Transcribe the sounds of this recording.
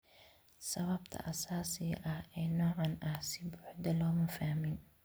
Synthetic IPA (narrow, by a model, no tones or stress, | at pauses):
sɐβɐbt̪ʰɐ̰ʔɐsaːsɪɣɐʔɐhɛːnɔːʕɑnʔɐhsɪbʊħd̪ɐlɔːmɐfahmɪn